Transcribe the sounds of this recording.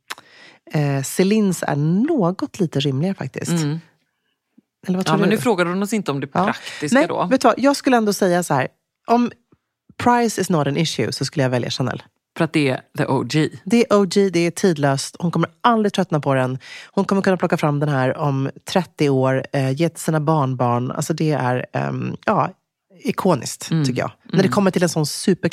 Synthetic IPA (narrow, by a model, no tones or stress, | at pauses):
ɛsɪlɪnsæ̰ɳoːɡɔt̪liːt̪əɾɪmlɪɡaɾəfa̰k̚t̪ɪ̰s | ɛləɾvat̪ɾnʉfɾoːɡad̪əhʊnɔsɪnt̪əɔmd̪ɛpʰːɾɾakkt̪ɪsnɛd̪ɔ̰vɛːt̪ːəva̰jɑːɡskɵləɛnd̪oːsɛjːasahæːɾ | ʔɔm | pʰɾajsɪsnɔt̪ɛnɪʃjʉ̰sɔs̬kɵlːəjavɛlja̰ʂɛnːɛ̰l | fəɾat̪̚d̪ɛæðəʔo̰d͡ʒid̪ɛæʔod͡ʒiːd̪ɛæʈʰiːd̪løːst̪hʊnkʰɔmːəɾald̪ɾɪt̪ʰɾœt̪napʰɔɾɛnhʊnkʰɔmːəɾkɵnːplɔkːafɾamːd̪ɛnɦæːɾɔmt̪ʰɾɛt̪ːɪoːɾjeːt̪ʰɪlsiːnabɑːɳbɑːɳa̰lsɔd̪ɛæ̰ɾ̰jɑː | ɪkʰoːnɪ̰skt̪ʰʏkːəjɑ̰ːɡnæɖɛkʰɔmːəʈʰɪlɛnsɔnsʉ̟ːpə